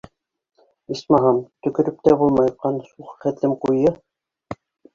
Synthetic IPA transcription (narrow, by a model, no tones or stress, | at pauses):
ismɑɦɑmt̪ɵ̆kɵ̆ɾɵp̚t̪æbulˠmɑjqɑnsuχχæ̆t̪lɘmqujɤ